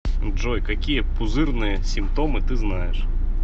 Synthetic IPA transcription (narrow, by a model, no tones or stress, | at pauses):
ʐojkɐkʲijɛpʊzɨrnɨjəsʲɪmpt̪omɨt̪ɨznajɛʂ